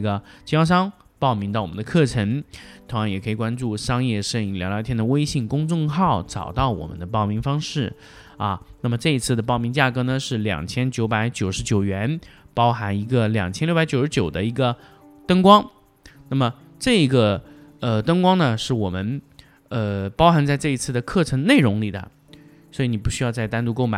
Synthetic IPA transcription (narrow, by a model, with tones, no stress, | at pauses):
ɡə˩t͡ɕjɑ˥ʊʂ̬ɑ˥ŋ | pɑ˥˩ʊmi˧˥ŋt̪ɑ˥˩wɔ˨˩ə˦nd̪ə˧kʰɤ˥˩ʈ͡ʂʰə˧˥ŋt̪ʰʊ˧˥ŋjɑ˧˥ŋjɛ˨˩kʰɤ˧˥i˨˩kwa˥nʈ͡ʂu˥˩ʂɑ˥ŋjɛ˥˧ʂə˥˧ŋi˧˥˩ljlɑ˥t̪ʰjɛ˥nd̪ə˨we˥ɪɕi˥˩ŋkʊ˥ŋt͡sʊ˥˧ŋxɑ˥˩ʊʈ͡ʂɑ̰˨˩ʊt̪ɑ˥˩ʊwɔ̰˨˩mə̰˦nd̪ə˧p̬ɑ˥ʊmi˧˥ŋfɑ˥ŋʂɻ̩˥˩ | ɐ˥˧na˥˩mə˩ʈ͡ʂɤ˥˧i˧˥t͡sʰɹ̩˥˩d̪ə˩p̬ɑ˥˩ʊmi˧˥ŋt͡ɕja˥˩kɤ˧˥nə˨ʂɻ̩˥˩ljɑ̰˨˩ŋt͡ɕʰjɛ˥nt͡ɕjo˧˥ʊpa˧˥ɪt͡ɕjo˨˩ʊʂɻ̩˧˥t͡ɕjo˨˩ʊɥɛ˧˥npɑ˥ʊxa˧˥ni˧˥ɡə˧ljɑ̰˨˩ŋt͡ɕʰɛ˥nlja˧˥t͡ɕjo˨˩ʊʂɻ̩˧˥t͡ɕjo˨˩ʊd̪ə˦i˧˥ɡə˧ | t̪ə˥ŋkwɑ˥ŋ | na˥˩mə˩ | ʈ͡ʂɤ˥˩i˧˥ɡə˧ə˧t̪ə˥ŋkwɑ˥ŋnə˨ʂɻ̩˥˩wɔ˨˩mə˦n | ə˧pɑ˥ʊxa˧˥nt͡sa˥˧ɪʈ͡ʂɤ˥˩i˧˥t͡sʰɹ̩˥˩d̪ə˩kʰɤ˥˩ʈ͡ʂʰɤ˧˥ŋne˥˩ɪɻʊ˧˥ŋli˨˩d̪ə̰˦ | swɔ˧˥i˧˥ni˨˩pu˧˥ɕy˥jɑ˥˧ʊt͡sa˥˩ɪt̪a˥nt̪u˥˧ko˥˩ʊma˧˥˦